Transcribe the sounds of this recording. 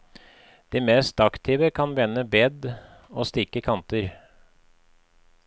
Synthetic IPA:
d̪̥iːmeːst̪ɑkt̪ʰɪːʋəkʰɑnʋɛnːəbɛːd̪ | oːst̪ɪkəkʰɑnt̪əɾ

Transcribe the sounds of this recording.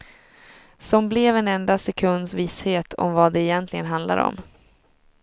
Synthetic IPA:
sɔmblɛvɛnɛnd̪asɛkʰɵnd̪sviːsheːt̪ʰɔ̰mvad̪ɛːjɛnt̪lɪɡənɦand̪la̰ɾɔ̰m

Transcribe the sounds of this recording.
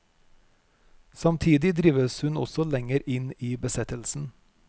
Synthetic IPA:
sɑmt̪ʰiːd̪ɪd̪ɾiːʋəshʉnɔ̰sɔlɛŋəɾʔɪniːbəsɛt̪əlsn̩

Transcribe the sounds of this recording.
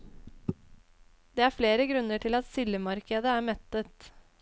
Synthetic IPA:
d̪eːæːɾfleːɾəɡɾʉnːəʈʰɪlɑt̪sɪləmɑɾkəd̪əæːɾmɛt̪ːət̪

